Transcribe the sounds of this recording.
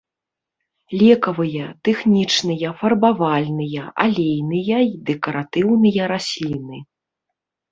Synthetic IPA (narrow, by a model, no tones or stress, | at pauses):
lʲɛkɐvɨjɐt̪ɛxnʲit͡ʂnɨjɐfɐrbavalʲnɨjɐʔa̰lʲejnɨjɐid̪ɛkɐɾat̪ɨwnɨjɐɾasʲlʲinɨ